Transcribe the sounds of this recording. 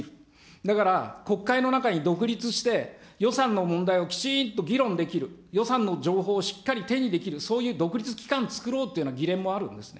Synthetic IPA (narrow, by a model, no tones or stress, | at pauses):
ɾɯ̟ | d̪akaɾako̞kːaino̞nakaɲ̟id̪o̞kɯ̟ɾʲit͡sɨɕi̥t̪e̞jo̞sãnːo̞mõ̞nd̪aiokʲi̥t͡ɕint̪o̞ɡʲiɾõ̞nd̪e̞kʲiɾɯ̟jo̞sãnːo̞d͡ʑo̞ːɦo̞ːɕi̥kːaɾʲit̪e̞ɲ̟id̪e̞kʲiɾɯ̟so̞ːjɯ̟ːd̪o̞kɯ̟ɾʲit͡sɨ̥kʲi̥kãnt͡sɨ̥kɯ̟ɾo̞ːt̪ːeɯnaɡʲiɾẽ̞mːo̞aɾɯ̟̰̃nd̪e̞sɨne